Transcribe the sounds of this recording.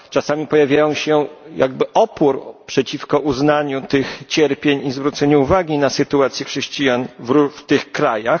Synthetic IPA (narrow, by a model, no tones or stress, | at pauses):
t͡ʂasamʲipɔjavʲjajɔ̃w̃ɕɛja̰ɡ̚bɘʔɔpuɾpʂɛt͡ɕifkɔʔuznaɲut̪ɘxt͡ɕɛɾpʲjeɲizvɾut̪sɛɲuuvaɡʲinasɘt̪uat̪sʲjɛxʂɛɕt͡ɕijanvɾuft̪ɘxkɾajax